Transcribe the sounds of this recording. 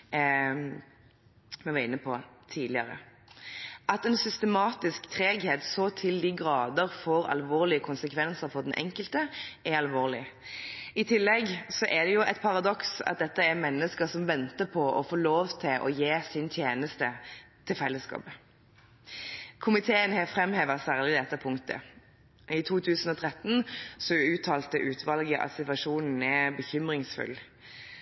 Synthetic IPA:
mɛʋɛːʁɪnːəpʰɔt̪ʰiːd̪lɪəɾə̰ | ʔɑt̪ɛnsʏst̪əmɑːt̪ɪskt̪ʰʁeːɡheːt̪soːt̪ʰɪld̪iːɡɾɑːd̪əɾfɔːɾɑ̰lʋoːʁlɪəkʰʊnsəkʰʋɛnsəɾfɔd̪ɛnʔɛ̰ŋkəlt̪əɛɑlʋoːʁlɪ | ɪt̪ʰɪlːɛɡsɔʔɛd̪ɛjʊʔɛt̪pʰɑʁɑd̪ɔksɑ̰t̪̚d̪ɛt̪ːəɛmɛnːəskəsɔmʋɛnt̪əpʰɔʔɔfoːloːʋt̪ʰɪlʔɔ̰jeːsɪnt̪ʰjeːnəst̪ət̪ʰɪlfɛlːəskɑ̰ːp | kʰʊmɪt̪ʰeːənhɛfʁɛmheːʋəsæːʁlɪd̪ɛt̪ːəpʰʊŋkt̪ə̰ | ɪt̪ʰuːt̪ʰʉːsn̩ɔt̪ʰʁɛt̪nsɔʉːt̪ʰɑːlt̪əʔʉːt̪ʰʋɑlɡəʔɑ̰t̪sɪt̪ʋɑʂuːnn̩ɛbəçʏmʁɪŋsfʉ̰lː

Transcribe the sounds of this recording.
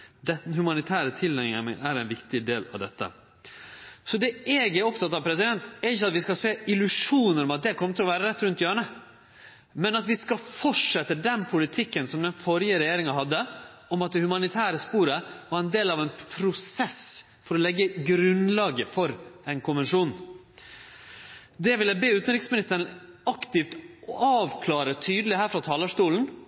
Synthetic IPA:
d̪ɛhʉmɑnɪt̪ʰæːɾət̪ʰɪlːɛəmə̰ʔæɾɛɪnʋɪkt̪ɪd̪eːlɑ̰ʋd̪ɛt̪ːə̰ | sɔd̪ɛɛːɡæɾɔpt̪ʰɑt̪ːɑʋpʰɾɛsɪd̪ɛnt̪ɛɾɪçːəɑt̪ʋɪskɑseːɪlʉʂuːnəɾɔmɑt̪̚d̪ɛkʰɔmːət̪ʰɪlɔʋæːɾəɾɛt̪ːɾʉnt̪jøːɳə | mɛnɑt̪ʋɪskɑfɔʈʂɛt̪ːəd̪ɛnpʰʊlɪt̪ʰɪkːənsɔmd̪ɛnfɔɾjəɾɛjeːɾɪŋɑɦɑd̪ːə | ɔmɑt̪̚d̪ɛhʉmɑnɪt̪ʰæːɾəspuːɾəʋɑɾɛnd̪eːlɑʋɛɪnpʰɾʊsɛs | fɔɾɔlɛɡːəɡɾʉnlɑːɡəfɔɾɛɪnkʰʊnʋɛnʂuːn | d̪ɛʋɪljæbeːʉːt̪n̩ɾɪksmɪnɪt̪ːəɑkt̪ɪft̪ɑːʋkʰlɑːɾət̪ʰyːd̪əlɪhæːɾfɾɑt̪ʰɑːləʂt̪uːln̩

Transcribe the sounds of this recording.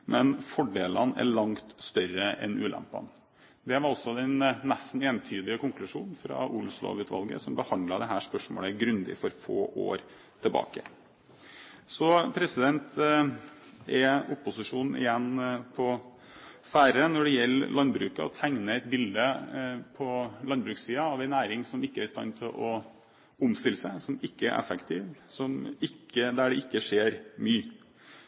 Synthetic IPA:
mʔɛnfɔɖeːlɑnæ̰ɾɭɑŋt̪st̪œɾəʔɛ̰nʉːlʔæ̰mpɑ̰n | d̪ɛʋɑɾɔsɔd̪ɛnnæst̪n̩eːnt̪ʰyːd̪ɪəkʊŋklʉʂuːnfɾɑ̰ʔuːlʊslo̰ːʋʉːt̪ʋɑ̰lɡə̰sɔmbəhɑnd̪lɑd̪ɛɦæːʂpœʂmo̰ːləɡɾʉnd̪ɪ̰fɔɾfo̰ːʔo̰ːɾ | t̪ʰɪlbɑ̰ːkə̰ | sɔpʰɾɛsɪd̪ɛnt̪ | ɛʊpːʊsɪʂuːnn̩ʔɪ̰jɛnːpʰɔ | fæːɾənɔɖɛjɛlːlʔɑnbɾʉːkə̰ɔ̰t̪ʰæŋnəɛt̪̚bɪld̪əpʰɔlɑnbɾʉːksiːɑɑʋæɪnæːɾɪŋsɔmɪkːəæɾɪst̪ɑ̰nːt̪ʰɪlʔɔ | ʊmst̪ɪlːəsæɪsɔmɪkːəæ̰ʔɛ̰fəkt̪ʰiːʋsɔmɪkʰːəd̪æɖɛʔɪkːəʂeːɾmyː

